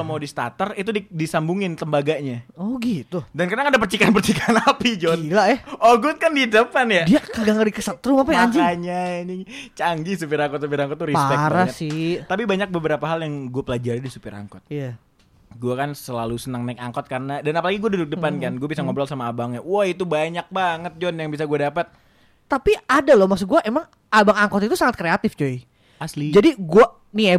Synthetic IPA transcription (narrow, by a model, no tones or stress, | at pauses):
mawdist̪a̰t̪ərit̪udidisambuŋɪnt̪əmbaɡaɲaɔɡit̪udankarnakadapərt͡ʃikaanpərt͡ʃikaanapid͡ʒɔt̪lajɛoɡut̪̚kandidəpanjadiakəɡaŋadikəsat̪̚ːɾʊmapajaɲd͡ʒɪŋaɲanit͡ʃaŋd͡ʒis̬upiɾaŋkɔt̪̚supiɾaŋkɔt̪ːuɾiaspɛɾaasɪt̪apibaɲak̚bəbəɾapaɦaljaŋɡuapəlad͡ʒaɾidisupɛɾa̰ŋkɔt̪̚ija | ɡuakansəlalusənaŋnaka̰ŋkɔt̪̚karənadanapalaɡiɡuadudʊk̚dəpankanɡuabisaŋɔbɾɔlsamaːbaŋɲawahit̪ubaɲak̚baŋət̪̚d͡ʒɔnjaŋbis̬aɡuadapət̪̚ | t̪apiadalɔmaks̬ʊɡuaʔemaŋ | abaŋaŋkɔt̪it̪usaŋat̪̚kɾeat̪ɪft͡ʃoj | aslid͡ʒadiɡua | nie